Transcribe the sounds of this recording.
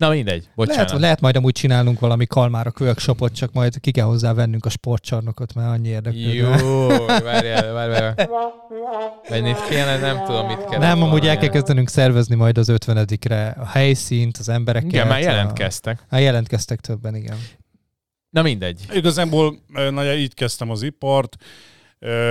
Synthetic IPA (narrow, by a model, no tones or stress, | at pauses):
nɒmind̪ɛ̰ɟbolɛt͡ʃɦaɛːnlɛɦɛt̪mɒjd̪ɒmuːc̚t͡ʃinaːlnuŋkʋɒlɒmikʰɒlmaːɾɒkøkʃopot̪t͡ʃɒkmɒjd̪kikɛlɦo̞zːaːvɛnːyŋkɒʃpo̞rt̪t͡ʃɒrnokot̪maɾɒɲːieːrd̪ɛkyː | vaɾɛvaːɾaɾ | ɛnit̪keːnɛnɛmt̪ud̪omːit̪kɛnɛmɒmuːɟɛlkɛlkɛzd̪ɛnyŋksɛrvɛznimɒjd̪ɒzøt̪ʋɛnɛd̪ikrɛɒhɛjsiːnt̪ɒzɛmbɛɾɛkkiɛaːjjɛlɛ̰nkɛst̪ɛkmaːjɛlɛnt̪kɛst̪ɛkt̪ʰøbːɛniɡɛn | nɒmind̪ɛɟːiɡɒzaːboːløːnɒjɒiːckɛst̪ɛmɒzipɒrt̪ | ø